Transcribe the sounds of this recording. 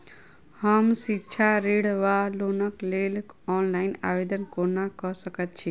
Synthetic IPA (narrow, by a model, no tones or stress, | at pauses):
həmsitːt͡ʃʰaɾeɽʋalonəklelɔnlaɪna̰ʋed̪ənkonakəsəkət̪̚t͡ʃʰi